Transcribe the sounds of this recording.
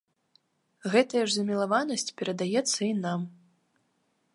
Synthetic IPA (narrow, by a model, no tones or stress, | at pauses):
ɣɛt̪ɐjɐʐzɐmʲilˠavanɐsʲt͡sʲpʲɛɾɐd̪ajɛt̪sːɐinam